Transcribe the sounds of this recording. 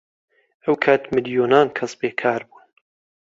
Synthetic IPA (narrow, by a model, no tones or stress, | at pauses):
ɐwkʰaːt̪mɨljoːnaːnkʰɐsbeːkʰaːɾbuːn